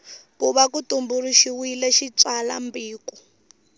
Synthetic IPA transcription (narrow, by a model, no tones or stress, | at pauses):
puβakutumbuɾuʃiwilɛʃit͡sala̰mbiːku